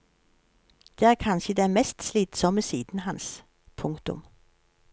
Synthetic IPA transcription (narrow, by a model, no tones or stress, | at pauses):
d̪̥ɛæːɾkʰɑnɕəd̪ɛmɛst̪sliːt̪sɔmːəsiːd̪n̩ɦɑns | pʰʊŋkt̪ʊ̰m